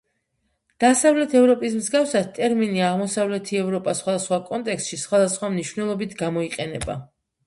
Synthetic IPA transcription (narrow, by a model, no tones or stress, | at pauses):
d̪̥asavlɛt̪ʰɛvɾɔpʼismzɡafsad̪̚t̪ʼɛɾminiaʁmɔsavlɛt̪ʰiɛvɾɔpʼasχwad̪asχwakʼɔnt̪ʼɛkst̪ʃisχwad̪asχwamniʃvnɛlˠɔbit̪ʰɡamɔiqʼɛnɛba̰